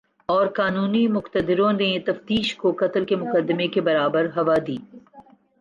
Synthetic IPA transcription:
ɔːɾkaːnuːnimʊqt̪əd̪ɪɾõnet̪ɐft̪iːʃkokɐt̪əlkemʊqəd̪ːmekebɐɾaːbəɾɦɐʋad̪iː

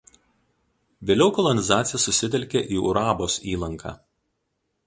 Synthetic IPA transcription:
ʋʲeːlʲɛʊkɔlˠɔnʲɪzɑːt̪sʲɪjɛsʊsʲɪt̪ʲɛlʲkʲeʔiːʊɾɑːboːsiːlˠɐŋkʰɑ̰ː

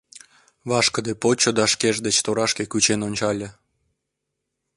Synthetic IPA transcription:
βɑʃkəd̪epot͡ɕod̪ɑʃkeʒd̪et͡ɕt̪oɾɑʃkekyt͡ɕenonʲt͡ɕɑlʲə̆

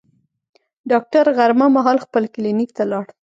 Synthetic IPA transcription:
ɖɑk̚ʈaɾɣaɾmamɑɦɑlxpəlkɪlinik̚t̪alɑɽ

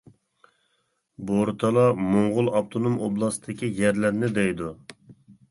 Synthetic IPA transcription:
boɾt̪ʰɑlˠɑmoɴʁʊlˠɑp̚t̪ʰonomoblˠɑsd̪ʰɪkʲʰijɛɾlæɾnɪd̪ɛjd̪u

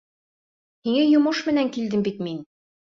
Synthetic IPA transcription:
hiŋæjŏmoʃmɘ̆næŋkild̪ɘmbit̪̚min

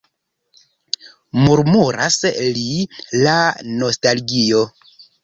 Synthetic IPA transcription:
muɾmuɾa̰slilano̞stalɡio̞

